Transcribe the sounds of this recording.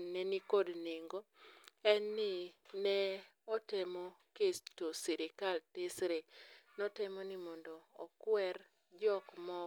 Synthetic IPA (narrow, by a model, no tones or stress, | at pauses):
nɛnikodneŋɡo | ɛnːɪnɛ | ɔtemɔkestosiɾɪkaltɪsɾenɔtemɔnɪmɔndɔːkwɛr | d͡ʒɔkmɔ